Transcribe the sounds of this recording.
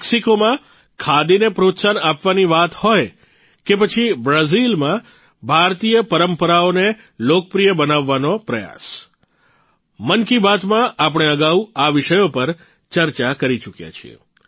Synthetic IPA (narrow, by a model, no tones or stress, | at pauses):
ksikomã | kʰad̪inepɾot̪sanapʋaniʋat̪hoj | kepət͡ʃʰibɾazilmã | bʱaɾt̪ijəpəɾəmpəɾaone | lokəpɾijəbənaʋːanopɾəja̰s | mənkibat̪mãʔap̬əɽ̃eəɡauaʋɪʃəjopəɾ | t͡ʃəɾt͡ʃakəɾit͡ʃukja̰t͡ʃʰḭḛ